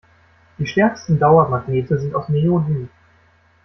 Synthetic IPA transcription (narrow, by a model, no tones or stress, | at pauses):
d̥iːʃtɛɐkstn̩daʊɐmaɡneːtəzɪntaʊfneoɦɪm